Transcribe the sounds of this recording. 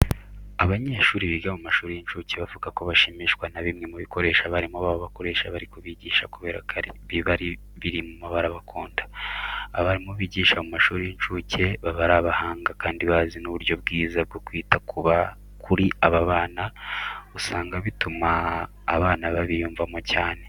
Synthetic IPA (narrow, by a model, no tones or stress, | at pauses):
aβaɲeːʃuːɾiβiɡamumaʃuːɾijint͡ʃuːceβavuɡako̞βaʃimiʃkwanaβimŋe̞muβiko̞ɾe̞ʃaβaɾimoβaβoβako̞ɾe̞ːʃaβaɾikoβiɟiːʃakuβe̞ːɾakʰaɾiβiβaɾi | βiɾimumaβaɾaβakʰoːndḁː | βaɾimoβiɟiːʃamumaʃuːɾijint͡ʃuːcʰe̞βaβaɾaβahaːŋɡakaːndiβazinuβuɾjo̞b̚ɡiːzab̚ɡokwiːtakʰuβa | kʰuɾiʔaβaβaːnausaːŋɡaβitumaː | βaːnaβaβijuːɱvamocaːne̞